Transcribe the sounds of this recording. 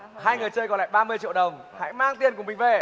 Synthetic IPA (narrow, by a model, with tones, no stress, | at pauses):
haː˧jŋɨ˨˩əjt͡ɕəː˧jkɔ˨˦la̰ː˧˨jɓaː˧mɨ˧ət͡ɕḭ˧˨wɗə˨˩wŋ͡m | ha̰ː˧˥jmaː˧ŋt̪i˧ənkmï˨˩ŋ̟ve˨˩